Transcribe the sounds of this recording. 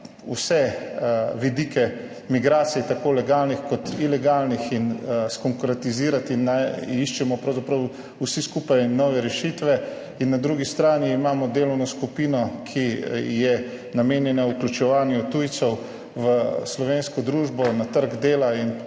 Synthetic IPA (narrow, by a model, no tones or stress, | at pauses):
usɛ | ʋid̪iːkɛ | miɡɾaːt̪sijɛt̪akoːlɛɡaːlnixkɔt̪ilɛɡaːlnixinskɔŋkɾɛt̪iziːɾat̪inːaiʃt͡ʃɛmɔpɾɐwzapɾɐw | usiskuːpajnɔʋɛɾɛʃit̪ʋɛ | inːad̪ɾuɡist̪ɾaːniːmaːmɔd̪eːlɔwnɔskupiːnɔkʰijɛ | nameːnjɛnauklʲjut͡ʃɛʋaːnjut̪ujt̪sɔw | ʋəslɔʋeːnskɔd̪ɾuːʒbɔnat̪əɾɡd̪eːlain